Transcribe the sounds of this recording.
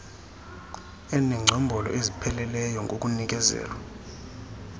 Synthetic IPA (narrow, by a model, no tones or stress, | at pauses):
ɛnɛŋ͡ǀʱɔmbʱɔlɔ̰ʔezipʰɛlɛlɛjɔŋʱok̬ʼunik̬ʼɛzɛ̰ːlwa